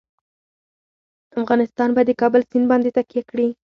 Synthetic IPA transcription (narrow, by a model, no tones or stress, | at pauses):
afɣɑnɪst̪ɑnbad̪əkɑbəlsinbɑnd̪et̪akjakɽi